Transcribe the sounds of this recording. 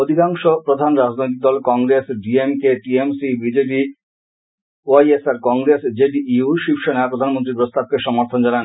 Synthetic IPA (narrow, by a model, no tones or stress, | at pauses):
od̪ʱikaŋʃopɾod̪ʱanɾad͡ʑnojt̪̬iɡ̚d̪ɔlkɔŋɡɾesɖiemkeʈiemsibid͡ʑep̬i | oajesaɾkɔŋɡɾesd͡ʑeɖiʔiuʃipʃoneapɾod̪ʱanmont̪̬ɾipɾost̪ab̚keʃɔmoɾt̪ʰond͡ʑanan